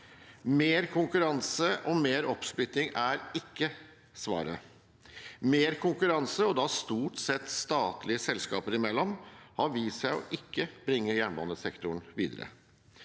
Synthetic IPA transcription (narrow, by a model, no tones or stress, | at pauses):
meːɾkʰʊŋkʉɾɑnsəʔɔmeːɾɔpsplʏt̪ːɪŋæɾɪkːə | sʋɑ̰ːɾə | meːɾkʰʊŋkʉɾɑnsəɔd̪ɑst̪uːʈsɛt̪ːst̪ɑːt̪lɪəsɛlskɑ̰ːpəɾɪmɛlːɔmhɑɾʋiːsæɪɔ̰ʔɪkːəbɾɪŋːəjæːɳbɑ̰nəsɛkt̪ʊɳʋiːd̪əɾə̰